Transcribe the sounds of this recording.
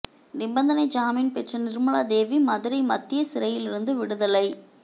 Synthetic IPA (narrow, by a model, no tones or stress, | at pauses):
nɪbɐnd̪ɐnɐɪd͡ʒaːmiːnpɛʈrɐnɪɾɯmɐɭaːd̪eːʋimɐðɯɾɐɪmɐt̪ːɪjɐsɪɾɐjɪlɪɾɯnd̪ɯʋɪɽɯðɐlɐɪ